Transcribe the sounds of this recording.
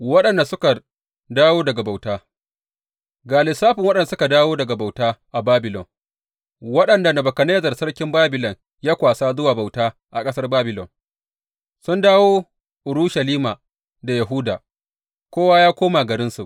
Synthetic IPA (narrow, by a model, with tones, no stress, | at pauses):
wɐ˦ɗɐ˨nda˨sʊ˦ka˨ | daː˦woː˦dɐ˨ɡa˨ba˨wtaː˦ | ɡaː˨lɪ˨saː˦ɸɪ˨ŋwɐ˦ɗɐ˨n˨sʊ˦ka˨daː˦woː˦dɐ˨ɡa˨ba˨wtaː˦ʔa˨baː˦bɪ˨lɔ̰˨n | wɐ˦ɗɐ˨nda˨nɐ˨bɐ˨kɐ˨ne˦zɐ˨rsɐ˦rkʲɪ˦mbaː˦bɪ˨lɔ˨ŋ | jaː˦kʷaː˨saː˦zʊ˦waː˨ba˨wtaː˦ʔa˨kʼɐ˦sɐ˦rbaː˦bɪ˨lɔ̰˨n | sʊ˦ndaː˦woː˦ | ʔʊ˨ɾuː˦ʃa˨liː˦maː˨ | da˨ja˨ɦʊː˦da̰ː˨ | kʷoː˦waː˦jaː˦kʷoː˦ma˨ɡɐ˨ɾɪ˦nsu˨ʔ